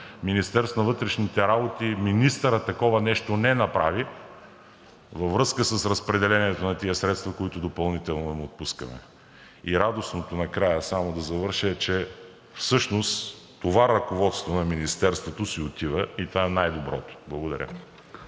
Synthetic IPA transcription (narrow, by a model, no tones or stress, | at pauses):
minist̪ɛɾsnɐvɤt̪ɾɛʃnit̪ɛɾabot̪iminist̪əɾət̪ːɐkɔvɐnɛʃt̪onɛnɐpɾa̰vi | vɐvɾɤskəsəsɾɐspɾɛd̪ɛlɛniɛt̪onɐt̪iəsɾɛt̪st̪vɐkoit̪ʊd̪opɐlˠnit̪ɛlˠnoɛmot̪̚puskɐ̰mɛ̰ | iɾad̪osnot̪onɐkɾajəsamod̪ɐzɐvɤɾʃɛt͡ʃɛ | fsɤʃnost̪ | t̪ːovaɾɐkovɔt̪st̪vonɐminist̪ɛɾst̪vot̪osiot̪ivəit̪ovaɛnajd̪obɾɔt̪o̥blˠɐɡod̪ɐ̰ɾʲə̰